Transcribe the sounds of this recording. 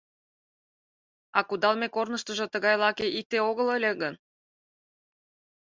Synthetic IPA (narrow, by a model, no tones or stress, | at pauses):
ɑkud̪ɑlmekornəʃt̪əʒɤ̆t̪əɣɑjlɑkeʔit̪eoɣələlʲĕɣən